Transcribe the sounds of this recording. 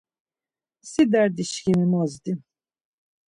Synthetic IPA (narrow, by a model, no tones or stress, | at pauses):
sid̪æɾd̪iʃkʲimimɔzd̪im